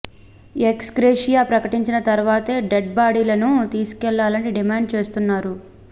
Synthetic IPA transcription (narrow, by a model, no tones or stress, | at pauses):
eksɡɾeːʂijaːpɾɐkɐʈiɲt͡ʃinɐt̪ɐɾuʋaːt̪eːɖeɖ̚baːɽiːlɐnut̪iːsu̥kɛɭːaːlɐniɖimaːɳɖ̚t͡ʃe̞ːst̪unːaːɾu